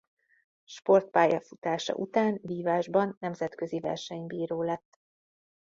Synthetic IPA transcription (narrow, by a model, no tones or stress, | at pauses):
ʃpo̞rt̪̚paːjɒfut̪aːʃɒ̰ʔut̪aːnviːvaːʒbɒnːɛmzɛt̪kø̞zivɛ̰rʃɛɲbiːɾoːlɛt̪ː